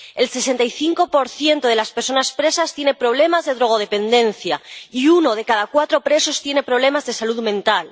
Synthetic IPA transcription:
e̞lse̞se̞nt̪ajθiŋko̞po̞ɾθje̞nt̪oð̞e̞laspeɾso̞naspɾe̞sast̪je̞nepɾo̞βle̞mazðe̞ðɾo̞ɣ̞o̞ð̞epe̞nd̪e̞nθjaiuno̞ð̞e̞kaðakwat̪ɾo̞pɾe̞so̞st̪je̞ne̞pɾo̞β̞le̞mazðe̞saluðmẽnt̪al

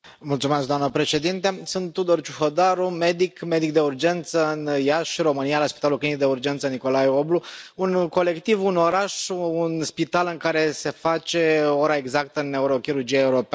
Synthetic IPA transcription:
mult̪sumesk̚d̪oamnəpɾe̞ʃe̞d̪int̪e̞sunt̪ːud̪ort͡ʃuhod̪aɾume̞d̪ikme̞d̪ik̚d̪e̞urd͡ʒe̞nt̪səɨnjaʃro̞mɨnijalaspit̪alulklinik̚d̪eurd͡ʒent̪səniko̞lajobluunko̞le̞kt̪ivuno̞ɾaʃunspit̪alɨŋkaɾe̞se̞fat͡ʃe̞oɾaeɡzak̚t̪əɨnːe̞uɾo̞kiɾurd͡ʒijaeuɾop

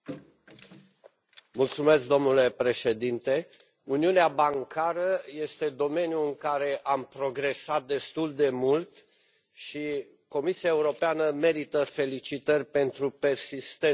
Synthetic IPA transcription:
mult̪sume̞sk̚d̪o̞mnule̞pɾe̞ʃe̞d̪int̪e̞ | uniuneabaŋkʰaɾəje̞st̪e̞d̪o̞me̞njuɨŋkaɾe̞ʔampɾo̞ɡɾe̞sat̪̚d̪e̞st̪uld̪e̞mult̪ | ʃi | ko̞misiaeuɾo̞peanəme̞ɾit̪əfe̞lit͡ʃit̪ərʲpe̞nt̪ɾupe̞rsist̪e

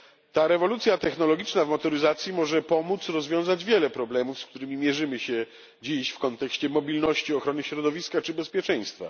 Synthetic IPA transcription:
t̪aɾɛvɔlut̪sʲjat̪ɛxnɔlɔɡʲit͡ʂnavmɔt̪ɔɾɘzat̪sʲjimɔʐɛpɔmut̪sɾɔzvʲjɔ̃w̃zad͡ʑvʲjɛlɛpɾɔblɛmufskt̪uɾɘmʲimʲjɛʐɘmɘɕɛ | d͡ʑiɕfkɔnt̪ɛkɕt͡ɕɛmɔbʲilnɔɕt͡ɕiɔxɾɔnɘɕɾɔd̪ɔvʲiskat͡ʂɘbɛspʲjɛt͡ʂɛ̃j̃st̪fa̰

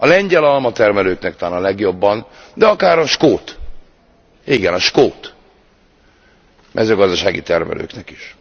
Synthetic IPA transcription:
ɒlɛɲɟɛlɒlmɒt̪ɛrmɛløːknɛkt̪aːnɒlɛɡjo̞bːɒn | d̪ɛɒkaːɾɒʃkoːt̪ | iɡɛnɒʃkoːt̪ | mʔɛzøːɡɒzd̪ɒʃaːɡḭt̪ɛrmɛ̰lø̰ːknɛki̥ʃ

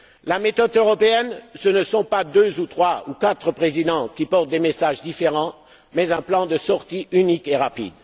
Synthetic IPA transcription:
lamet̪ɔd̪øʁɔpeɛnsənəsɔ̃pad̪øzut̪χwaukat̪χəpχezid̪ɑ̃kʲipɔʁt̪̚d̪emesaʒd̪ifeʁɑ̃ | mɛzɛ̃plɑ̃d̪əsɔʁt̪iynikeʁapḭd̪

